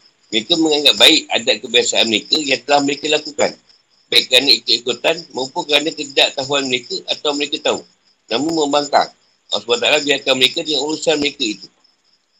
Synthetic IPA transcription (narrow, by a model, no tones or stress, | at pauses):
məɾekəmə̃ŋaŋɡat̪̚baɪʔa̰daʔkəbiasaanməɾekəjaŋt̪əlahməɾekəlakuka̰n | baiʔkəɾanəit̪uikut̪anmãmpʊkəɾanək̪ədaʔt̪aɦuanməɾekəʔat̪awməɾekət̪au | nãmũnmə̃mbaŋka̰ŋ | a̰sbat̪alabiarkanməɾekədəŋaŋulusanməɾekəit̪u̥